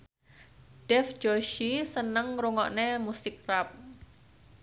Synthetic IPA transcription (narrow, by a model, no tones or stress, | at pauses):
ɖ̥ɛfd͡ʒoʃisənəŋɾuŋɔʔnemusɪk̚rap̚